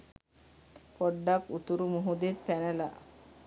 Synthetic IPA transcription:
poɖːakut̪uɾumuɦud̪et̪̚pænela̰ʔ

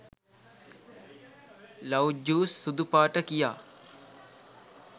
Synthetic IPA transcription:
lɐwd͡ʒuːsːud̪upaːʈəkija̰ː

